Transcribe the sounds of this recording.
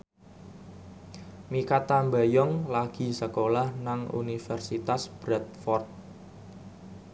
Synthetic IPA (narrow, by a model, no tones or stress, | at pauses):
mikat̪ambajɔŋlaɡ̥i̤səkolahnaŋṵnifɛrsit̪asb̥ɾɛt̪̚fɔrt̪̚